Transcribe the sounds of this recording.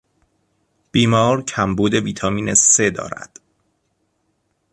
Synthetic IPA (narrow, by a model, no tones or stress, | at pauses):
b̥iːmɒːɾcʰæmbuːd̪e̞viːt̪ʰɒːmiːnese̞d̪ɒ̰ːɾæ̰d̪̥